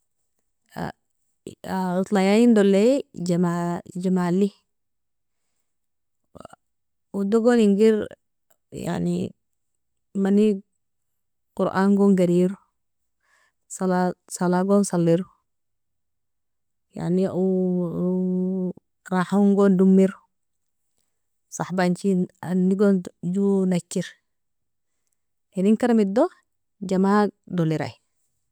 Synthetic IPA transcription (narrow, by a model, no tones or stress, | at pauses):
a̰ | autlajajindoled͡ʒamad͡ʒamali | udoɡoniŋɡiɾ | ja̰nḭ | mani | kuɾʔa̰nɡoŋɡaɾiɾu | salasalaɡonsalːiɾ | ja̰niu | ɾahaŋɡɔndumːiɾ | saħbant͡ʃianːiɡond͡ʒunat͡ʃːiɾ | iniŋkaɾamido | d͡ʒamadoliɾa̰j